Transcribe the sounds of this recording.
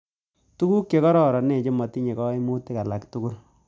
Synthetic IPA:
tu˦ku˦kje˨kɔ˦ɾɔ˨ɾɔ˨ne˨t͡ʃɪ˦mɔ˨ti˦ɲe˨kɔ˦i˦mu˦ti˦ka˨la˨ktu˦ku˦ɾ

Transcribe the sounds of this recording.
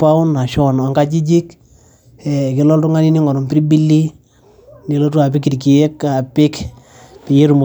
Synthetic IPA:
pa˦ʊ˦na˨ʃɔ˦n˨a˨ŋka˦t͡ʃi˦d͡ʒi˦k | ɛ˨kɪ˦lɔ˦ltʊ˦ŋa˦ni˦ni˦ŋɔ˨ɾɔ˨mpɪɾi˦bi˦lːi˦ | ni˨lo˦tu˦a˨pɪ˦kːi˨tki˨jɛ˦ka˨pɪ˦k | pɪ˨je˦ɾu˨mu˨

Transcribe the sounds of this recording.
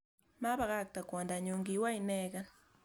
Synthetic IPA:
ma˦βa˨ɣa˦k̚ta˨kwa˨nda˨ɲo˨ŋɡi˨wa˦i˨nɛ˦ɣa˦

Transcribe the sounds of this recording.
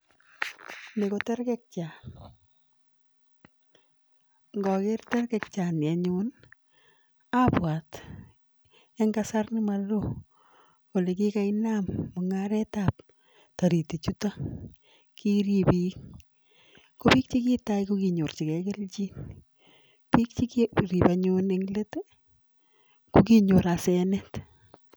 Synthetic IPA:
ne˨ko˨tɛ˦ɾkɛ˦k̚t͡ʃa˨n | ŋɡɔ˨kɪ˦rtɛ˦rkɛ˨k̚t͡ʃa˨na˨ɲun | a˦pwa˨t | ɛ˦ŋɡa˦sa˦rnɪ˦ma˦lo˦ | o˨le˨ki˦ka˦ina˦mːʊŋaɾɛtap | taɾi˨ti˨t͡ʃuta˦ | kʰi˦ɾipik | ko˦pi˦k̚t͡ʃiki˦tajkukiɲo˨rt͡ʃi˨kɛke˦lt͡ʃi˦n | pi˦k̚t͡ʃikɾi˨paɲuneŋlet | kukiɲo˨ɾasɛnɛt

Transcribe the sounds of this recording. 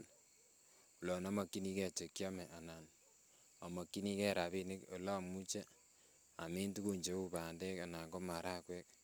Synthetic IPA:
l | u˨lɔ˨nɔ˦ma˨kːi˦ni˦kɛ˦t͡ʃe˨kjɔ˦mɛ˨ʔa˨na˨n | a˨mɔ˨kːi˦ni˦kɛ˦ɾa˨βi˦nɪ˦ko˨la˦˨mu˦t͡ʃe˦ | a˨mi˦ntu˦ku˦ɲt͡ʃe˨˦ku˨pa˨ndɛ˦ka˨na˨ko˦ma˨ɾa˦kwɛ˦k̚

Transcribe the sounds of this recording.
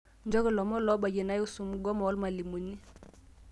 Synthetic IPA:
nd͡ʒɔ˦kɛ˨lɔ˨mɔ˦lɔ˦ba˨je˨na˦ju˦su˨mu˦ɡɔ˦mɔ˨ɔ˦lma˨li˨mu˨ni˦

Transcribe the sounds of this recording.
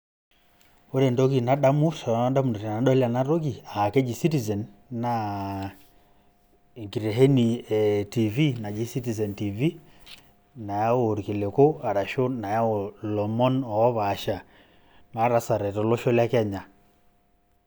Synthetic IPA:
o˦ɾe˨ndɔ˦ki˨na˨˦ɗa˦mu˦sa˨˦nda˦mu˨dɔ˨ɾa˨na˨ɗɔ˦la˨na˦ɾɔ˦ɡi˨a˨kɛ˦d͡ʒi˨si˦ti˨zɛ˨nːa˨ | e˨ŋki˨ɾɛ˨ɦɛ˦ni˨ɛ˨ti˨vi˦na˨d͡ʒi˦si˦ti˨zɛ˨nti˨vi˦ | na˨ja˦o˨ɾi˨ke˨le˨ko˦a˨ɾa˨ʃo˦na˨ja˦o˨lɔ˨mɔ˦nɔ˨ɔ˦βa˨ʃa˨ | na˨˦ɾa˨sa˨ɾɛ˨tɔ˨lɔ˦ʃɔ˦la˦kɛ˦ɲa˨

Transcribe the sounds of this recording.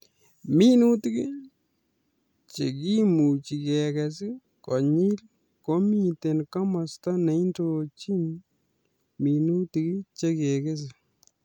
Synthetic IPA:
mi˦nu˦ti˦ki˦ | t͡ʃe˨ki˦mu˨t͡ʃi˨kɛ˨kɛ˨s̬i˦ | kɔ˨ɲi˦l | kɔ˦mi˦te˨nka˦ma˨sta˦nɛ˨˦i˦ndo˨t͡ʃi˦n | mi˨nu˦ti˨ki˦t͡ʃe˦kɛ˨ke˦s̬ɪ˨

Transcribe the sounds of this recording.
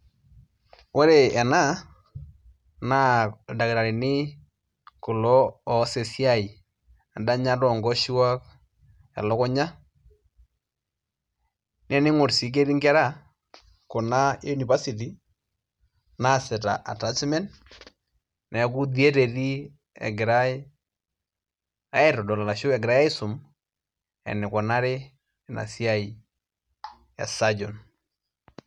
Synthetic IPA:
wo˦ɾe˨ɛ˨na˦ | na˦˨da˨kɪ˨ɾa˨ɾi˨nɪ˦ | kʊ˨lɔ˦ɔ˨se˨si˦a˦˨i˨ | a˨nda˦ɲa˦ɾɔ˨ŋɡɔ˦ʃi˦wa˦k | ɛ̰˨lɔ˦kɔ˦ɲa˦ | nɛ˦nɪ˦ŋo˨ɾsi˨˦k̬e˦ɾi˦ŋɡɛ˦ɾa˦˨ | kʊ˨na˦e˦u˦ni˨va˦si˨t̬i˨ | na˦˨sɪ˨ta̰˨ʔa̰˨ta˦t͡ʃmɛ˦n | nɛ˨˦k̬u˦ði˦e˦ɾe˨ɾi˦ | ɛ̰˨ɡɪ˨ɾa˦ɪ˦ | a˨˦ɪ˨ɾɔ˨dɔ˨la˨la˨ʃʊ˦ɛ˨ɡɪɾa˦ja˦ɪ˦sʊ˨m | ɛ̰˨nɪ˨kɔ˨na˦ɾɪ˦˨ | na̰˨si˦a˦i˨ | ɛ̰˨sa˦d͡ʒɔ˨n

